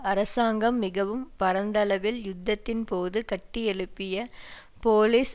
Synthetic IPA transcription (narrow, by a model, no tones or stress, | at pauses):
ɐɾɐsaːŋɡɐmːɪɣɐʋɯmpɐɾɐnd̪ɐlɐʋɪljʊd̪ːɐt̪ːɪnpoːðɯkɐʈːɪɛɻɯpːɪjɐ | poːliːs